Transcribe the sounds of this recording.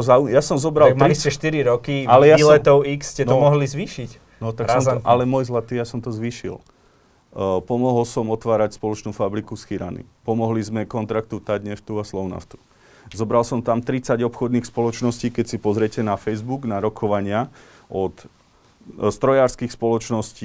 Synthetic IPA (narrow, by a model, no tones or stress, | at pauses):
ɔzaujasɔmzɔbɾalt̪iisɛʃt̪iɾiɾɔkialɛjailɛt̪ɔʊiksːcɛnɔmɔɦlizʋiːʃic | nɔt̪akksɔmɔʔalɛmɔjzlat̪iːjasɔmt̪ɔzʋiːʃḭl | pɔmɔɦɔlsɔmɔt̪ʋaːɾacspɔlɔt͡ʃnuːfabɾikusxiɾa̰nḭpɔmɔɦlizmɛkɔnt̪ɾak̚t̪ut̪aɟɲɛft̪uaslɔʊna̰ft̪u̥ | zɔbɾalsɔmt̪amt̪ɾit͡saɟɔpxɔd̪niːxspɔlɔt͡ʃnɔsciːkɛcsipɔzɾɪɛcɛnafɛjzbuɡnaɾɔkʰɔʋaɲɪa | ɔt̪ | st̪ɾɔjaːɾskixspɔlɔt͡ʃnɔsciː